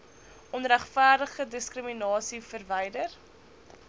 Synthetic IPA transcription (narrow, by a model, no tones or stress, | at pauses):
ʔɔnræχfæːrdəχədəskrəminɑːsifərvɛjdər